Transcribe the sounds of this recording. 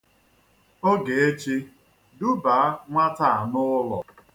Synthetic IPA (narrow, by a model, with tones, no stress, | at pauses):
o˦ɡe˨e˦t͡ʃi˦ | dʊ˦ba˨a˦ŋʷa˦ta˦˨a˨nʊ˦lɔ̰˨